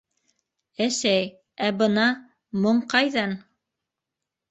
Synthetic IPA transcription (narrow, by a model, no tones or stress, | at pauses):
æsæj | æbɤ̆nɑ | mŏɴqɑjðɑn